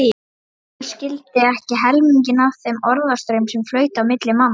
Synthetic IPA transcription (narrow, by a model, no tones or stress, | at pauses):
scɪlt̪ɪɛhcɪɦɛlmiɲc̬ɪnaθemɔɾðast̪ɾejmsɛmflœːɥt̪awmɪt̪lɪmam